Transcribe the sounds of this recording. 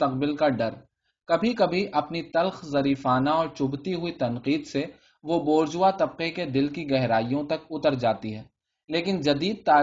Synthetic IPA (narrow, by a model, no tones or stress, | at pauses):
t̪ɐq̚bɪlkaɖɐɾ | kɐbʱikɐbʱiʔɐpnit̪ɐlxzɐɾiːfaːnaɔːɾt͡ʃʊbt̪iɦʊit̪ɐnqiːd̪se | ʋoboːɾd͡ʒʊat̪ɐb̚qeked̪ɪlkiɡɛɦɾaːijõt̪ɐkʊt̪əɾd͡ʒaːt̪iɦɛː | leːkɪnd͡ʒɐd̪iːd̪̚t̪aː